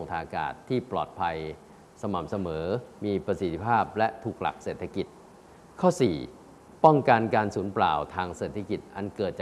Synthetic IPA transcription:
o˧ŋt̪ʰaː˧ʔa˧ka̰ː˨˩t̪ʰːiː˥˩plɔ̰ː˨˩t̪̚pʰa˧j | sa˧ma̰˨˩mp̚sa˧mɤː˩˦miː˧pɾa˧si˨˩t̪ʰi˦˧˩pʰaː˥˩p̚lɛ˦˥t̪ʰuː˨˩k̚la̰˨˩k̚seː˨˩t̪ʰːa˧ki˨˩t̪̚ | kʰɔː˥˩sḭː˨˩ | pɔ˥˩ŋka˧nka˧nsuː˩˦npla̰ː˨˩wt̪ʰaː˧ŋseː˨˩t̪ʰːa˧ki˨˩t̪̚ʔa˧nkɤː˨˩t̪̚t͡ɕaː˩

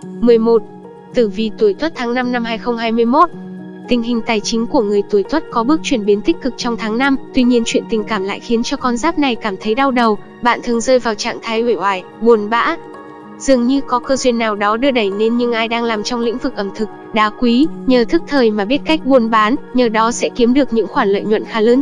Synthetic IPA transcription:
mɨ˨˩əjmo˨˩t̚ | t̪ɨ˧˩vi˨˩t̪u˧˩jt̪wə˦˥t̚t̪ʰaː˨˦ŋna˧mna˧mhaː˧jxə˧wŋ͡mɦaː˧jmɨ˧əjmo˦˥t̚ | t̪ï˨˩ŋ̟ɦï˨˩ŋ̟t̪aː˨˩jt͡ɕï˨˦ŋ̟ku˧˩əŋɨ˨˩əjt̪u˧˩əjt̪ʰwə˦˥t̚kɔ˨˦ɓɨ˦˥ək̚t͡ɕwi˧˩ənɓi˨˦ənt̪ï˦˥k̟̚kɨ˨˩k̚t͡ɕɔ˧wŋ͡mt̪ʰaː˨˦ŋna˧mt̪wi˧ɲi˧ənt͡ɕwḭ˧˨ənt̪ï˨˩ŋ̟kaː˧˩mla̰ː˧˨jxi˨˦ənt͡ɕɔ˧kɔ˧nzaː˦˥p̚na˨˩jkaː˧˩mt̪ʰə˨˦jɗa˧wɗə˨˩w | ɓa̰ː˧˨nt̪ʰɨ˨˩əŋzəː˧jvaː˨˩wt͡ɕa̰ː˧˨ŋt̪ʰaː˨˦jʔi˧˩hwaː˨˩j | ɓu˨˩ənɓa̰ː˧˥ | z̥ɨ˨˩əŋɲɨ˧kɔ˨˦kəː˧zwi˧ənːaː˨˩wɗɔ˨˦ɗɨ˧əɗə˧˩jne˧nɲɨ˧ŋʔaː˧jɗaː˧ŋlaː˨˩mt͡ɕɔ˧wŋ͡mlḭ˧˥ŋ̟vɨ˨˩k̚ʔə˧˩mt̪ʰɨ˨˩k̚ɗaː˨˦kwi˨˦ɲəː˨˩t̪ʰɨ˦˥k̚t̪ʰəː˨˩jmaː˨˩ɓi˦˥ət̚ka˦˥jk̟̚ɓu˨˩ənɓaː˨˦nɲəː˨˩ɗɔ˨˦sɛ̰˧˥ki˨˦əmɗɨ˨˩ək̚ɲɨ̰˧˥ŋxwaː˧˩nlwə̰˧˨jɲwə̰˧˨nxaː˨˦ləː˨˦n

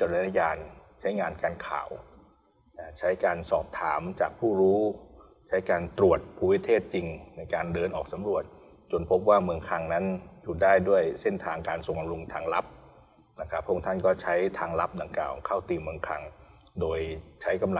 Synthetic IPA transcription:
t͡ɕa˧˩la˧˩na˧jaː˧n | t͡ɕʰa˦˥jŋaː˧nkaː˧nkʰa̰ː˨˩w | t͡ɕʰa˦˥jkaː˧nsɔː˨˩p̚t̪ʰaː˩˦mt͡ɕa̰ː˨˩k̚pʰuː˥˩ɾuː˦˥ | t͡ɕʰa˦˥jkaː˧nt̪ɾu˨˩ət̪̚pʰuː˧wi˦˥˩t̪ʰeː˥˩t̪̚t͡ɕi˧ŋna˧jkaː˧ndɤː˧nʔɔː˨˩k̚sa˨˦mɾu˨˩ət̪̚ | t͡ɕo˧npʰo˦˥p̚waː˥˩mɯ˧əŋkʰa˧ŋna˦˥njuː˨˩daː˥˩jdu˥˩əjse˥˩nt̪ʰaː˧ŋkaː˧nso˨˩ŋka˧mɾu˧ŋt̪ʰaː˧ŋla˦˥p̚ | na˦˥˩kʰa˦˥pʰːu˥˩˧ŋt̪ʰa˥˩nkɔː˥˩t͡ɕʰa˦˥jt̪ʰaː˧ŋla˦˥p̚da˧ŋkla̰ː˨˩wkʰa˥˩wt̪iː˧mɯ˧əŋkʰa˧ŋ | doː˧jt͡ɕʰa˦˥jka˧ml

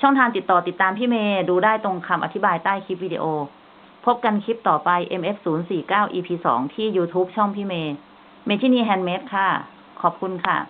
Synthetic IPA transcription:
t͡ɕʰɔ˥˩ŋt̪ʰaː˧nt̪i˨˩t̪ːɔː˨˩t̪i˨˩t̪ːaː˧mpʰiː˥˩meː˧duː˧daː˥˩jt̪o˧ŋkʰa˧mʔa˧t̪ʰi˦˥baː˧jt̪aː˥˩jkʰi˦˥p̚wiː˧dḭ˧ʔoː˧ | pʰo˦˥p̚ka˧nkʰi˦˥p̚t̪ɔː˨˩pa˧jʔe˧mʔe˦˥p̚suː˩˦nsiː˨˩kaː˥˩wʔiː˧pʰiː˧sɔ̰ː˩˦ŋt̪ʰiː˥˩juː˧t̪ʰuː˦˥p̚t͡ɕʰɔ˥˩ŋpʰiː˥˩meː˧ | meː˧t̪ʰiː˥˩niː˧˩ɦɛ˧nme˦˥t̪̚kʰa˥˩ | kʰɔː˨˩p̚kʰu˧nkʰa˥˩

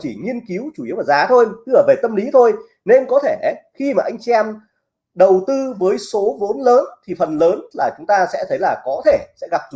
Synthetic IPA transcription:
t͡ɕi˧˩ŋi˧ənki˨˦əwt͡ɕu˧˩˨i˨˦əwvaː˨˩zaː˨˦t̪ʰo˧jt̪ʔəː˧˩ve˨˩t̪ə˧mli˨˦t̪ʰo˧j | ne˧nkɔ˨˦t̪ʰe˧˩ʔxi˧maː˨˩ʔa˧jŋ̟t͡ɕi˧ɛ˧m | ɗə˨˩wt̪ɨ˧vəː˨˦jso˨˦vo˨˦nləː˨˦nt̪ʰi˨˩fə˨˩nləː˨˦nlaː˨˩t͡ɕʊ˨˦ŋ͡mt̪aː˧sɛ̰˧˥t̪ʰə˨˦jlaː˨˩kɔ˨˦t̪ʰe˧˩sɛ̰˧˥ɣa˨˩p̚

